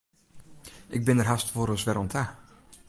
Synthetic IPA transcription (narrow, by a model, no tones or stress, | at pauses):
ʔɪɡ̚bɪnərɦastfoɾəsʋɛɾɔntʰa